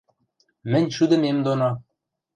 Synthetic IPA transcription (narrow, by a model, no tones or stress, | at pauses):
mɘ̆nʲʃud̪ɤ̆memd̪onɑ